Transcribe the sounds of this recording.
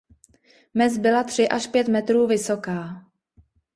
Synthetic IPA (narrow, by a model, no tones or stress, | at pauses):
mɛzbɪlat̪r̝̥ɪʔaʃpjɛt̪mɛt̪ɾuːvɪso̞kaː